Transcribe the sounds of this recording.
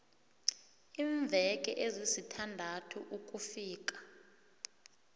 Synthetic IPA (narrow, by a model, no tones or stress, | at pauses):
iːɱvʱɛkʼɛ̰ʔezisitʰandʱatʰṵʔukʼufiːk̬ʼḁ